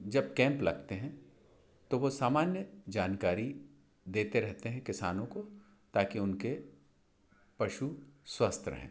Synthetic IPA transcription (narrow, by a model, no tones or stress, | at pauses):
d͡ʒɐb̚kɛ̃ːmplɐɡt̪eɦɛ̃ | t̪oʋosaːmaːnjəd͡ʒaːnkaːɾi | d̪eːt̪eɾɛɦt̪eɦɛ̃kɪsaːnõko | t̪aːkiʊnke | pɐʃuswɐst̪ʰɾɐ̰ɦḛ̃ː